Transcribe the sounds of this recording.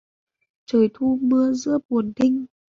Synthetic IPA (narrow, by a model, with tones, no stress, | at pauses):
t͡ɕəː˨˩jt̪ʰu˧mɨ˧əzɨ̰˧˥əɓu˨˩ənt̪ʰi˧ŋ̟